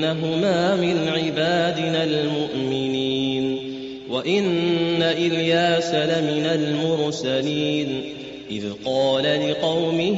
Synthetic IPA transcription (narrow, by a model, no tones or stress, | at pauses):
aɦʊmaːmɪnʕɪbaːd̪ɪnalmʊʔmɪniːn | waʔɪnːaʔɪljaːsalamɪnalmʊɾsaliːn | ʔɪðqɑːlalɪqɑwmɪ